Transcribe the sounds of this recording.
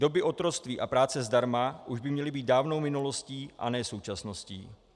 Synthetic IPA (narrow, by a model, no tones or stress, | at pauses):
do̞bɪʔo̞t̪ɾo̞t͡st̪viːʔapɾaːt͡sɛzdaɾmaʔuʒbɪmɲɛlɪbiːt̪̚daːvno̞wmɪnulo̞sciːʔa̰nɛːso̞wt͡ʃasno̞sciː